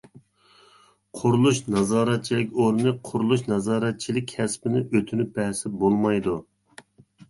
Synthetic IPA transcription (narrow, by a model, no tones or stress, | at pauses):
qʰʊɾulˠuʃnɑzɑːɾɛt̪̚t͡ʃʰilɪkʲoɾnɨqʰʊɾulˠuʃnɑzɑːɾɛt̪̚t͡ʃʰilɪkʲʰɛspɪnɪʔøt̪ʰynyp̚bɛhsɪbolˠmɑjd̪u